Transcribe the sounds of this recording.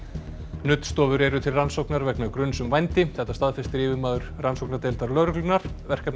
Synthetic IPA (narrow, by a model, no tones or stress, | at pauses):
nʏt̪st̪ɔːvʏɾɛɾʏt̪ʰɪlransowknaɾvɛknakɾʏnsʏmvajnt̪ɪθɛht̪ast̪aðfɪst̪ɪɾɪːvɪmaːðʏɾ̥ransowknaɾt̪ejlt̪aɾlœɾklʏnaɾ̥vɛr̥kap̪